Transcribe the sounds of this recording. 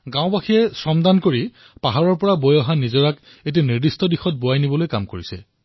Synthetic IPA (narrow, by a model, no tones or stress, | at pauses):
ɡãw̃baxijɛsɹɔmdankoɹi | paɦaɹɔɹpɔɹabojɔɦanizɔɹak | et̬iniɹdistɔdixɔt̚boajnibɔlojkamkoɹisɛ̰